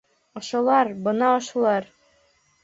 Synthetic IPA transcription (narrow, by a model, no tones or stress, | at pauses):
ŏʃŏlˠɑɾbɤnɑŏʃŏlˠɑɾ